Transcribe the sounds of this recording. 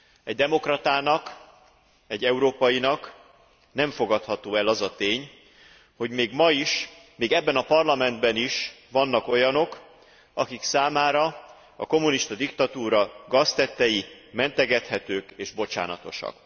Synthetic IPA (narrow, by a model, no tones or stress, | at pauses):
ɛɟ̚d̪ɛmo̞krɒt̪aːnɒk | ɛɟːɛuɾoːpɒjinɒk | nɛɱfo̞ɡɒt̪hɒt̪oːɛlɒzɒt̪eːɲ | ho̞ɟmeːɡmɒiʃ | meːɡɛbːɛnɒpɒrlɒmɛnd̪bɛniʃ | vɒnːɒko̞jɒno̞k | ɒkiksaːmaːɾɒ | ɒko̞muniʃt̪ɒd̪ikt̪ɒt̪uːɾɒɡɒst̪ɛt̪ːɛjimɛnt̪ɛɡɛt̪hɛt̪øːkeːʒbo̞t͡ʃa̰ːnɒ̰t̪o̞̰ʃɒ̰k